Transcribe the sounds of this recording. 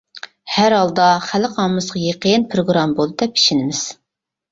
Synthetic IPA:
hæɾhɑlˠd̪ɑχælɪqʰɑːɨsʁɑjeqəjnpʰɾoɡɾɑmbolˠd̪ɨd̪ɛpʰi̥ʃɪnɪmɪz̥

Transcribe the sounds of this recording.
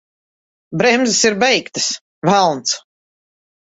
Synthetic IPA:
bɾɛmzɨsiɾbɛjkt̪ɨ̥s | vælˠnt̪s

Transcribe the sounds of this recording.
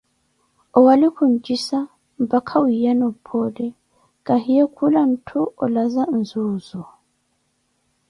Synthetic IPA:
ʔɔwalikʰɔnd͡ʒisa | bakʰawijanɔpʰːɔdɛ | kahijakʰulantʰuʔɔlazan̩zoːzɔ

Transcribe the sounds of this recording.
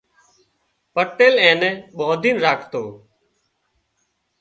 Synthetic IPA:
pəʈeːlɛ̃ːnɛ̃ːɓɔːd̪ʱiːnɾaːkʰt̪oː

